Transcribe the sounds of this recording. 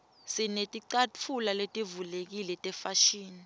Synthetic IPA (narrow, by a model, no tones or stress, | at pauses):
sinetʼiǀat͡fʰulaletʼivulek̬ilɛtʼɛfaʃiːni